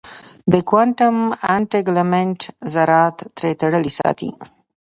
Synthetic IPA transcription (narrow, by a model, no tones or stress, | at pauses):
d̪əkwaɳʈəmaɳʈeɡlameɳʈzaɾɑt̪ːɾet̪aɽəlisɑ̰t̪ḭ